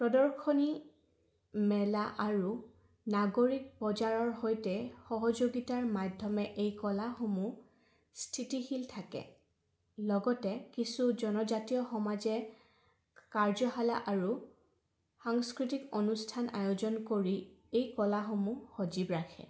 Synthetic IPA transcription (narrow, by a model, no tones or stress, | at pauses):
pɹɔdɔɹkʰɔni | mɛlaʔaɹu | naɡoɹik̚pɔzaɹɔɹhojtɛxɔɦɔd͡ʒoɡitaɹmadʱɔmɛʔejkɔlaxomu | stʰitihiltʰakɛ̰ | lɔɡɔtɛkisud͡ʒɔnɔzatijɔxɔmazɛ | kaɹzɔɦalaʔaɹu | xaŋskɹitikonustʰanʔa̰jozɔnkoɹiejkɔlaxomuxɔd͡ʒibɹakʰɛ̰